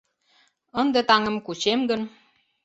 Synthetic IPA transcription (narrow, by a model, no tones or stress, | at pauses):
ənd̪ĕt̪ɑŋə̆mkut͡ɕemɡə̆n